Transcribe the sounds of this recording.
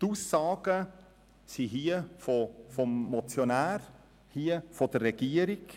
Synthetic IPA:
tuːsːɑːɡ̥ə | siɦiːəfɔfɔmːɔt͡sjɔnæːɾ | hiːəfɔd̪ərrɛɡ̥iəɾiɡ

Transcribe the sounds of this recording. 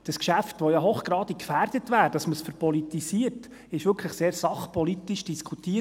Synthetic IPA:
d̥ɑskʃæftʋojɑɦoχɡ̥ɾɑːd̥ikfæːrd̥ətʋæːɾd̥ɑsməsfəɾpɔlitisiəɾt | ɪʃʋʏɾkʰləχseːɾsɑχpɔlitiʃd̥iskʰutiː

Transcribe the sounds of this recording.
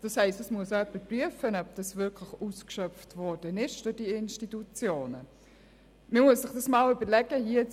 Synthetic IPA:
d̥ɑshɛɪstɛsmuəsœpːəpryəfənœb̚d̥ɑsvɪkʰlɪxuːskʃœftvɔɾd̥ənɪʃd̥ʊdiɪnʃtitut͡sjoːnə | məmuəssɪχd̥ɑsmɑːlʏbəlɛɡ̥əɦiə

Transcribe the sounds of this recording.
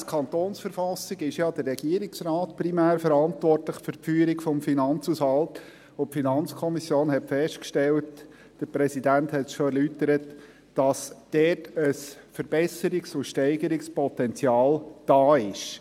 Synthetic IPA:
skʰɑnt̪oːnsfəɾfɑsːɪɡɪʃjɑd̪ərːɛɡiəɾɪksɾɑːtprimæːɾfəɾɑntʋɔrtləχfʏɾpfyːɾikfɔmfinɑnt͡sushɑlt | opfinɑnt͡skʰɔmisjoːnhɛtfɛsʃtkʃtɛlt | d̥əɾpɾɛsidænthɛtʃoɛɾlytəɾət | d̥ɑsd̥ɛtəsfəɾb̥ɛsəɾɪksʊʃtɛɪɡəɾɪkspɔt̪ɛnt͡sjɑːld̥ɑːɪʃ

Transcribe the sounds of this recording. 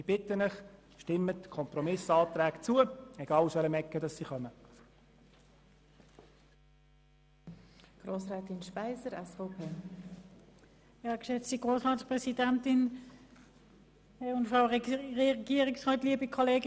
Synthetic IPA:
ib̥ɪtənɪχ | ʃtɪmətkʰɔmpɾɔmɪsɑːt̪ɾɛːɡt͡suəɛɡ̥ɑːlsʋɛləmɛkːədɑsːiχœmə | ɡ̥ɾoːsɾɛːt̪ɪnʃpaɪzəɾɛsfopʰeː | jɑkʃɛt͡stiɡ̥ʁoːsʁɑːtspʁɛsidɛntɪn | ʊntfʁaʊʁɛɡ̥iːəʁɪksʁɔːtliəbikʰɔleːɡɪ

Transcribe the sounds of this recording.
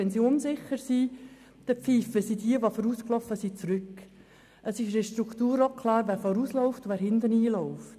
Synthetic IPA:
ɛnsiʊnsɪχəɾsi | d̥ɛpp͡fiːfəsidiəʋofɔɾuːsklɔfːəsit͡sɾʏkː | əsɪʃɾɛʃtɾukʰt̪uːɾɔkʰlɑːɾʋæːɾfɔɾuːslɔʊftʊvæːɾɦɪndəniːlɔʊft

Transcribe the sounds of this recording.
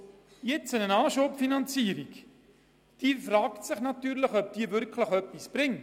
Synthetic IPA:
jɛt͡sənənɑːʃoːpfinɑnt͡siːəɾik | d̥iːəfrɑːktsɪχnɑtyːɾləχœp̚d̥iːəvʏɾkʰləχœpːisb̥rɪŋ

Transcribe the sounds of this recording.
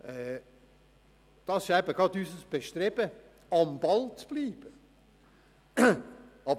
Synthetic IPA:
ɛ | d̥ɑsɪ̥ʃæbəɡɑt̪yːsəsb̥eʃt̪ɾɛb̥ə | ɑmbɑlt͡sb̥liːb̥ə | ɑb

